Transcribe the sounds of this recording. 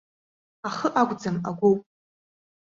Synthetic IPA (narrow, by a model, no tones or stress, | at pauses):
aχəʔaɡʷd͡zamaɡʷowpʼ